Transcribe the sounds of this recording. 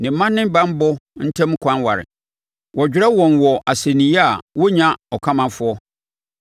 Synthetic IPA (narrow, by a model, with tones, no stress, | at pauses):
nɪ̃˨˦mã˦nːɪ̃˦m˦bã˦m˦bʊ˦n̩˦tʰɛ̃˦m˦kʰʷã˦nwa̰˨ɾɪ̰˨ | wʔɔ˨d͡ʑᶣɪ˦ɾɛ˦wɔ̃˨nwɔ˨ʔa˨se˨nĩ˨˦ja˨wɔ˦ɲã˦ɔ˨kʷʰa˦mã˨fʊ˦ɔ˦